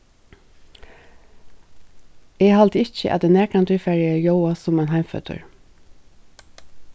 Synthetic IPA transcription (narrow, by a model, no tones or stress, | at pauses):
eːhɑlt̪ɪçə̰ʔɛ̰t̪̚əneːkɑnt̪ʏfæɹɪəjoʊɑsɔmeːnhæɪmfœ̰t̪ʰə̰ɹ